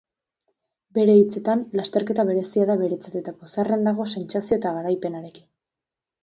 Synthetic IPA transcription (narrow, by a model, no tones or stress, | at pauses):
be̞ɾe̞it͡se̞t̪anlast̪e̞ɾke̞t̪aβe̞ɾe̞siaðaβe̞ɾe̞t͡sat̪et̪aposare̞nd̪aɣ̞o̞se̞nt͡sasio̞et̪aɣaɾajpe̞naɾe̞ki̥n